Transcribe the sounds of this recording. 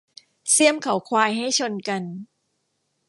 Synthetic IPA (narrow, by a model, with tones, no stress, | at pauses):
si˥˩əmkʰa˨˦wkʰwaː˧jɦa˥˩jt͡ɕʰo˧nka˧n